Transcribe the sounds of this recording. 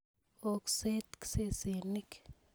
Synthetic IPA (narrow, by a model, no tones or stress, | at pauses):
okset̪ksesenik